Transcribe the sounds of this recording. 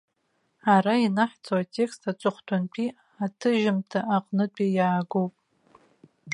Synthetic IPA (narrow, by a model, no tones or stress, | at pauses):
aɾainaħt͡sʰʼowatʲʰʼe̞kstʰat͡ʃʷʼɨχʷtʷʰʼanpʰi | atʰɨʒɪmtʰaaqʼnɨt͡pʷʼijaːɡowpʼ